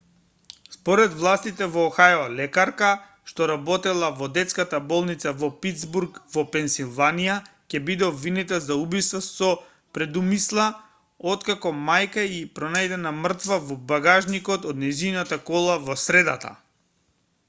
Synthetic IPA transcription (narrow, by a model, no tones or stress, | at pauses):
spɔɾɛd̪vlˠast̪it̪ɛvɔːxajɔlɛkaɾka | ʃt̪ɔɾabɔt̪ɛlˠavɔd̪ɛt̪skat̪abɔlˠnit̪savɔpid̪zbuɾkvɔpɛnsilˠvanija | cɛbid̪ɛɔbvinit̪ɛlˠzaubist̪vasɔ | pɾɛd̪umislˠa | ɔt̪kakɔmajkaipɾɔnajd̪ɛnamr̩t̪vavɔbaɡaʒnikɔt̪ɔd̪nɛzinat̪akɔlˠavɔsɾɛd̪a̰t̪a̰